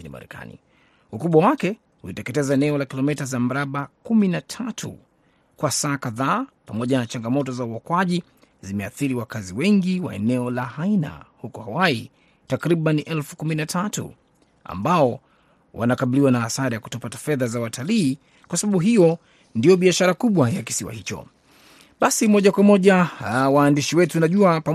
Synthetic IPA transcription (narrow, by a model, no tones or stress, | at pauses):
inḭma̰ɾɛ̰ka̰nḭ | ukuɓwawakɛ | hulitɛkɛtɛzaɛnɛɔlakilɔmɛtazam̩ɾaɓakuminatʰatʰṵ | kwasaːkaðaːpamɔʄanat͡ʃaŋɡamɔtɔzauɔkwaʄi | zimɛaθiɾiwakaziwɛŋɡiwa̰ɛnɛɔlahaina̰hukɔhawai | takɾiɓaniʔɛlfu̥kuminatʰatṵ | a̰mbaɔ | wʔa̰nakaɓiliwanaːsaɾajaku̥tɔpatḁfɛðazawatʰaliː | kwasaɓaɓuɦijɔ | ndiɔɓiaʃaɾakuɓwajaki̥siwa̰hit͡ʃɔ̰ | ɓasimɔʄakwamɔʄawaːndiʃiwɛtunaʄuapa